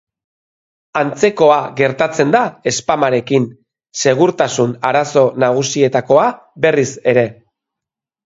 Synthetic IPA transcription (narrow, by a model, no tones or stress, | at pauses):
ant͡se̞ko̞aɣe̞ɾt̪at͡se̞nd̪ae̞spamaɾe̞kin | se̞ɣ̞uɾt̪asunaɾaso̞naɣ̞usie̞t̪ako̞a | be̞rise̞ɾe̞